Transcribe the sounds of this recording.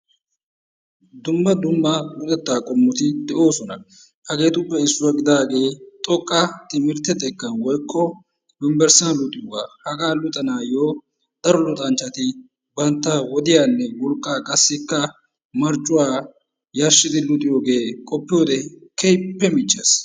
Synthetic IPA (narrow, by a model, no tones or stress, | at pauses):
d̪ʊmːɐd̪ʊmːɐɡʊd̪ʼɛt̪ːaːkʼɔmːɔt̪ɪd̪ɛʔo̞ːsɔnɐ | hɐɡe̞ːt̪ʊpːɛɪsːʊwɐɡɪd̪aːɡe̞ːt̪ʼɔkʼːɐt̪ɪmɪɾt̪ɛt̪ɛkːɐnwɔjkːɔ | bɪmbɛɾsanlʊt̪ʼɪjʊwa̰ːhɐɡaːlʊt̪ʼɐnaːjoː | d̪̥ɐɾɔlʊt̪ʼɐnt͡ʃːɐt̪ɪ | bɐnt̪ːɐwɔd̪ɪjaːnːɛwɔlkʼːaːkʼɐsːɪkːɐ | mɐɾt͡ʃʼːʊwaː | jaʃːɪd̪ɪlʊt̪ʼɪjoːɡe̞ːkʼɔpːɪjoːd̪ɛkɛjpːɛmɪt͡ʃːes